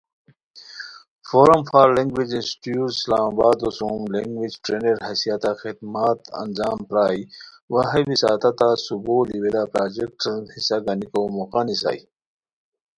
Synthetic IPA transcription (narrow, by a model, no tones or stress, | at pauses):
foːɾɐmfaːɾlẽŋɡwid͡ʑinsi̥ʈjuːslaːmabaːd̪osũmleŋɡwid͡ʑʈɾeːneɾɦɐsijat̪axid̪maːt̪ɐ̰nd͡ʑaːmpɾaːj | waɦebisa̰ːt̪ɐt̪asuboːliwelapɾaːd͡ʑek̚ʈnhisaɡɐnikomoqanisa̰j